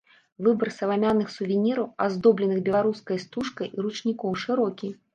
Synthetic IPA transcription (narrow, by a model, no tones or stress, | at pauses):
vɨbɐrsɐvamʲanːɨxsuvʲinʲiɾɐwa̰zd̪ɔblʲɛnɨɣbʲɛlˠaɾuskɐjst̪uʂkɐjʔiɾut͡ʂnʲikɔwʂɨɾɔkʲi